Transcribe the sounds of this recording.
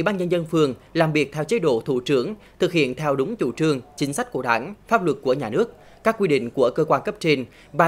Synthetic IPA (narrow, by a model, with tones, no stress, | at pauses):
wi˧˩˦ɓaː˧nɲə˧nzə˧nfɨ˧˩əŋ | laː˨˩mvi˨˩ək̚t̪ʰɛ˧wt͡ɕe˧˦ɗo̰˧˩t̪ʰu˧˩t͡ɕɨ˨˥əŋ | t̪ʰɨ˨˩k̚hḭ˧˨ənt̪ʰɛ˧wɗʊ˨˦ŋ͡mt͡ɕṵ˧˩t͡ɕɨ˧əŋt͡ɕï˨˦ŋ̟sa˦˥jk̟̚ku˧˩ɗa̰ː˧˩nfaː˦˥p̚lwə˨˩t̚ku˧˩əɲaː˨˩nɨ˦˥ək̚ | kaː˦˥kːwi˧ɗḭ̈˧˨ŋ̟ku˧˩əkəː˧kwaː˧nkə˦˥p̚t͡ɕe˧n | vaː˨˩